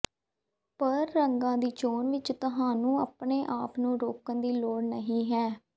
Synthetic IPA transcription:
pəɾːəŋɡãːd̪iːt͡ʃoːnʋɪt͡ʃt̪əɦãːnũːəːpɳeːʔaːpnũːɾoːkənd̪iːloːɽnəɦĩːɦɛː

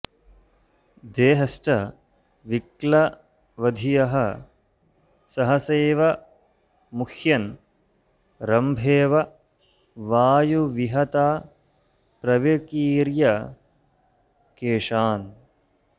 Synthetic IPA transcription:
d̪eːɦɐsʈɐ | ʋiklɐ | ʋɐd̪ʱijɐɦɐ | sɐɦɐseːʋɐ | mukʰjɐn | ɾɐmbʱeːʋɐ | ʋaːjuʋiɦɐt̪aː | pɾɐʋiɾkiːɾjɐ | keːʂaːn

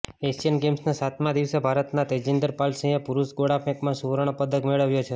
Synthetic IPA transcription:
esijənɡemsnasat̪ʰmãd̪iʋsebʱaɾət̪nat̪ed͡ʒind̪əɾpalsə̃epuɾusɡoɽapɛ̃kmãsuʋɾəɽ̃opəd̪əkmeɭəʋjot͡ʃʰe

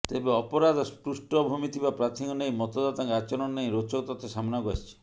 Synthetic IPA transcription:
t̪ebeɔpɔɾad̪ɔspɾusʈɔbʱumit̪ʰibapɾat̪ʰiŋɔnejmɔt̪ɔd̪at̪aŋkat͡ʃɔɾɔnneĩɾot͡ʃɔkt̪ɔt̪ʰɔsamɔnaɡa̰it͡ʃʰi̥

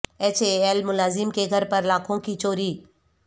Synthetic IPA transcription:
eːt͡ʃʰeeːlmʊlaːzɪmkeɡʱəɾpəɾlaːkʰõkit͡ʃoːɾiː

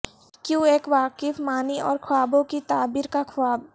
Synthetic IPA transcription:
kjõːeːkʋaːkɪfmaːniɔːɾkʰʊwaːbõkit̪aːbiːɾkakʰwaːb

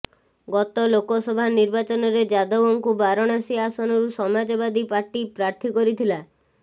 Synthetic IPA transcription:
ɡɔt̪ɔlokɔsɔbʱaniɾbat͡ʃɔnɔɾed͡ʒad̪ɔwɔŋkubaɾɔɽ̃asiasɔnɔɾusɔmad͡ʒɔbad̪ipaɾʈipɾaɾt̪ʰikɔɾit̪ʰila

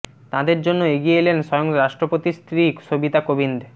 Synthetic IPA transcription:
t̪ãd̪eɾd͡ʑonːoeɡijelenʃɔjoŋɾaʃʈɾopot̪ist̪ɾiʃobit̪akobind̪e

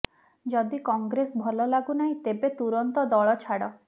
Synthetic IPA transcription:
d͡ʒɔd̪ikɔŋɡɾesbʱɔlɔlaɡunaɦĩt̪ebet̪uɾɔnt̪ɔd̪ɔɭɔt͡ʃʰaɽɔ

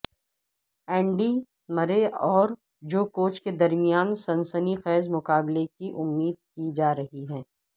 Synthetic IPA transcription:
ɛ̃ːɳɖi | mɐɾeɔːɾ | d͡ʒoːkoːt͡ʃked̪ɐɾmɪjaːnsɐ̃nsənixɛːzmʊkaːblekiʔʊmːiːd̪̚kid͡ʒaːɾɐɦiɦɛː

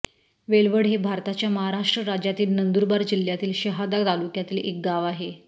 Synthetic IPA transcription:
ʋeɭʋəɽɦebʱaɾt̪at͡ɕjaməɦaɾaʂʈɾəɾad͡ʑjat̪iːlnənd̪uɾbaɾd͡ʑil̤jat̪iːlɕəɦad̪aɡt̪alukjat̪iːlek̚ɡaʋaɦe

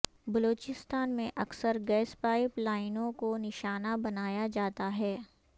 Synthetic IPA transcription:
bɐloːt͡ʃɪst̪aːnmẽʔɐksəɾɡɛːspaːɪplaːɪnõkonɪʃaːnabɐnaːjad͡ʒaːt̪aɦɛː

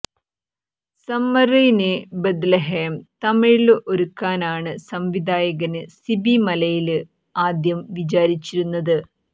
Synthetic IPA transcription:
sɐmːɐrijnebed̪leɦeːmt̪ɐmiɻɭɨʔoɾukːaːnaːɳɨsɐmʋid̪aːjɐɣɐnɨsibimɐlɐjilɨ | aːd̪jɐmʋit͡ɕaːɾit͡ɕːiɾunːɐðɨ

